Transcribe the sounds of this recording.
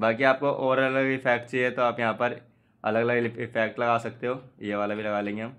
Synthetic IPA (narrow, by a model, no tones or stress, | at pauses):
baːkiaːp̚koʔɔːɾɐləɡɪfʰɛːkʈt͡ʃiɛt̪oaːpjɐɦãpɐɾ | ɐ̰ləɡɐləɡɪfʰɛːk̚ʈlɐɡaːsɐk̚t̪eɦoːjeːʋaːlabʱilɐɡaːlẽːŋɡeɦam